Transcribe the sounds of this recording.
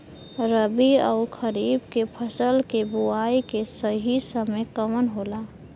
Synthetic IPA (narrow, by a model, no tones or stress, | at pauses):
ɾəbiɔ̰ːkʰəɾiːbkepʰəsəlkebuaːikesəɦisəmekəmənɦoːlaː